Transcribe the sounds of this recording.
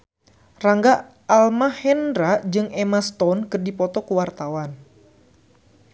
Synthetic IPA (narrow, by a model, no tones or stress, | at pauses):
raŋɡaː | lmahɛndɾad͡ʒɨŋɛmast̪ɔnkɨrdipɔt̪ɔkuwart̪awan